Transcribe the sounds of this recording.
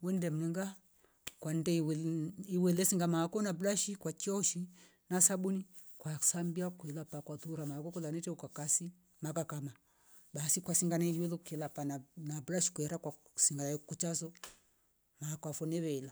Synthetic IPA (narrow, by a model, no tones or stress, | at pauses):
wɛndɛm̩ɛŋɡa | kwandɛ | iwɛlɛsiŋɡamakɔnabɾaʃikwakiɔʃi | nasaɓuni | kwasambiakuɛlapakwatuɾamakɔkulanɛtɛukakasi | makakama | ɓasikwasiŋɡanaiiwɛlɔkɛlapananabɾaʃi̥kuɛɾakwasiŋɡanakut͡ʃasɔ | makɔafɔnɛβɛila